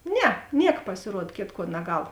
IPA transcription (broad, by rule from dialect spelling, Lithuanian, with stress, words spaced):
ˈnʲɛ ˈnʲiɛk pɐsʲɪˈruɔt ˈkʲeːtˌkuɔ nɐˈɡɐlˠ